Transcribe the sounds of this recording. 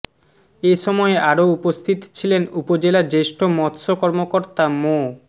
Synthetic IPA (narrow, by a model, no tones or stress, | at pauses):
eʃɔmɔeaɾoupost̪ʰit̪t͡ɕʰilenupod͡ʑelad͡ʑeʃʈʰomɔt̪ʃokɔɾmokoɾt̪amo